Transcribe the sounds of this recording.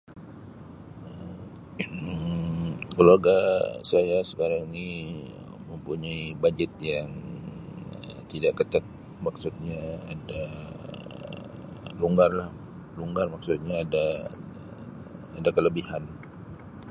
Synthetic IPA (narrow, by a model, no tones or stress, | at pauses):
ə | kəluaɡasajasə̥kaɾaŋni | məmpuɲaibad͡ʒɛt̪̚jaŋ | ət̪idaʔkət̪at̪̚ | maksut̪̚ɲaa̰da | luŋɡarlah | luŋɡarmaksut̪̚ɲaːda | adakələbihan